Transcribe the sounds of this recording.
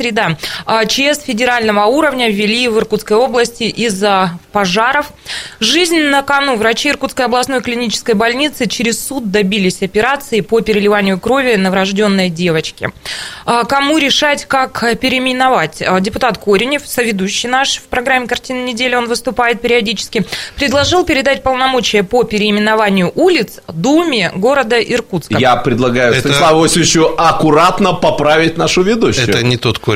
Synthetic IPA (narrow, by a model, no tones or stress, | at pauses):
sɾʲɪd̪aət͡ɕesfʲɪdʲɪɾalʲnəvəuɾəvnʲəvʲɪlʲivɨrkut̪skəjo̞blˠəsʲtʲɪʔizəpɐʐaɾəf | ʐɨzʲnʲnəkɐnuvɾɐt͡ɕiɪrkut̪skəjɐblˠɐsno̞jklʲɪnʲit͡ɕɪ̥skəjbɐlʲnʲit̪sɨt͡ɕɪɾʲɪssut̪̚d̪ɐbʲilʲɪsʲɐpʲɪɾat̪sɨɪpopʲɪɾʲɪlʲɪvanʲɪjʊkɾo̞vʲɪnəvɾɐʐdʲo̞nːəjdʲe̞vət͡ɕkʲɪ̰əkɐmuɾʲɪʂatʲkakpʲɪɾʲɪmʲɪnɐvatʲədʲɪpʊt̪at̪ko̞ɾʲɪnʲɪfsəvʲɪd̪uɕːɪjnaʂfpɾɐɡɾamʲːɪkɐrtʲinɪnʲɪdʲelʲɪo̞nvɨst̪ʊpajɪt̪̚pʲɪɾʲɪɐdʲit͡ɕɪ̥skʲɪpɾʲɪd̪lˠɐʐɨlˠpʲɪɾʲɪd̪at̚ʲpəlˠnɐmo̞t͡ɕɪjəpopʲɪɾʲɪːmʲɪnɐvanʲɪjʊʔulʲɪt̪sd̪umʲɪɡo̞ɾəd̪əʔɪrkut̪skəjapɾʲɪd̪lˠɐɡajʊɛlavosʲɪt͡ɕːʊɐkʊɾat̪nəpɐpɾavʲɪt̚ʲnaʂʊvʲɪd̪uɕɛt̪ənʲɪt̪ot̪ko